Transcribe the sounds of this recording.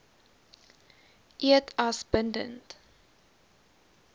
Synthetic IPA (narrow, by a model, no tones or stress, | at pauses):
ʔiətʰasb̥əndə̰nt